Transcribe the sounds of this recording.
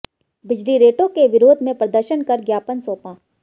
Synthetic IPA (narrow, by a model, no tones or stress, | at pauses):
bɪd͡ʒliɾeːʈõkeʋɪɾoːd̪ʱmẽpɾɐd̪əɾʃənkɐɾɡjaːpənsoːpãː